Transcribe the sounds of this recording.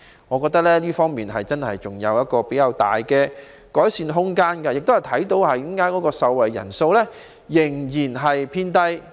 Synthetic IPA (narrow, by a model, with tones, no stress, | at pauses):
ŋɔː˨˧kɔː˧k̚t̪ɐ˥k̚lɛː˥liː˥fɔː˥ŋmiː˨nɦɐ˨jt͡sɐ˥nɦɐ̰˨jt͡sʊ˨˩ŋjɐ˨˧wjɐ˥t̚kɔː˧pe˨˥jkɐ˨˧wt̪a̰ː˨jkɛː˧ | kɔː˨˥jsiː˧nɦʊ˥ŋkaː˥nkɐ˧jk̚t̪o˥hɐ˨˩jt̪ʰɐ˨˥jt̪o˨˧˥whɐ˨jɪ˥ŋkaː˥jkɔː˨˥kɔː˧sɐ˨˧wwɐ˨jːɐ̰˨˩nso˧wlɛː˥ | jɪ˨˩ŋjiː˨˩nɦɐ˨jpʰiː˧nt̪ɐ˧j